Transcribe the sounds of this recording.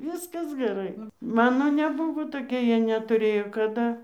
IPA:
ˈʋʲɪskɐs ɡʲɛˈrɐɪ ˈmɑːnoː nʲɛˈbʊʋoː toːˈkʲiɛ ˈjiɛ nʲɛtʊˈrʲeːjoː kɐˈdɐ

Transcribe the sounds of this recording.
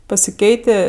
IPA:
pɐsʲɪˈkʲɛɪtʲeː

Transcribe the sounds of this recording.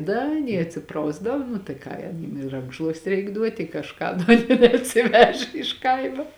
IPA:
ˈdɐ ɐˈnʲiɛ ɐtʲˈsʲɪprɐʊzdɐw nʊ tɐɪ ˈkɑː jɛm ɪ ˈrɐŋkʃlˠuɔsʲtʲɪ ˈrʲɛɪk ˈduɔtʲɪ ɪ kɐʃˈkɑː nʲɛɐtʲsʲɪˈʋʲæːʒʲɛ ɪʃ ˈkɐɪmoː

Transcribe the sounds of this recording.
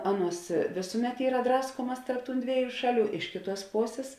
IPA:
ˈɑːˌnuɔs ˈʋʲeːsʊˌmʲɛt ˈiːrɐ ˈdrɑːskuɔmɐs tɐrp tuːn ˈdʲʋʲiɛˌjuː ˈʃɑːˌlʲuː ˈɪʃ kʲeːˌtuɔs ˈpoːsʲeːs

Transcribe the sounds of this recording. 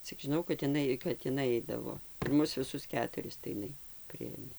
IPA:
t͡sʲɪk ʒʲɪˈnɐʊ kɐt ɪˈnɐɪ kɐt ɪˈnɐɪ ˈɐɪdɐʋoː ɪr ˈmʊs ʋʲɪˈsʊs ˈkʲæːtʊrʲɪs tɐɪ ɪˈnɐɪ ˈpʲrʲɪeːmʲeː

